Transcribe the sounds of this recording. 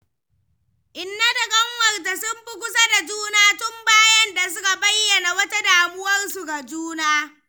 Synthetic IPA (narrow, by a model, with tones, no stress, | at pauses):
ʔɪ˨nːa˦da˨kʼɐ˦ŋwɐ˨rda˨sʊ˦mbʊ˦kʷʊ˦sa˦da˨d͡ʒuː˦naː˦tʊ˦mbaː˦jɐ˦nda˨s̬ʊ˦ka˨bɐ˦jːɐ˨na˨wɐ˦ta˦daː˨mʊ˦wɐ˦rsu˨ɡa˨d͡ʒuː˦naː˦